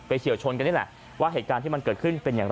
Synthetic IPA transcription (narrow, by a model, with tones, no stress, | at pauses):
pa˧jkʰi˨˩˦əwt͡ɕʰo˧nka˧niː˦˥˩lɛ̰˨˩ | waː˥˩ɦeː˨˩t̪̚kaː˧nt̪ʰiː˥˩ma˧nkəɤː˨˩t̪̚kʰɯ˥˩npe˧njaː˨˩ŋɾ